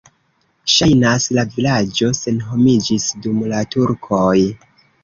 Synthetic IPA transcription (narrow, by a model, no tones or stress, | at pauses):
ʃajnaslavilad͡ʒo̞se̞nɦo̞mid͡ʒisdumlatuɾkʰo̞j